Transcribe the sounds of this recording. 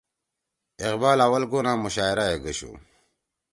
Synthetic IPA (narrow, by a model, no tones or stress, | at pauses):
iqbaːlawɐlɡonãːmuɕaːiɾajeɡəɕṵː